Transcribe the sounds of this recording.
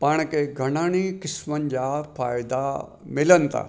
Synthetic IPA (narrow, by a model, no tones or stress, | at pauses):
paːɽ̃kʰeɡʱɐɽ̃aːɽ̃ikɪsmənɪ̆d͡ʑaːfaːɪd̪a | mɪlənɪ̆t̪ʰa̰ː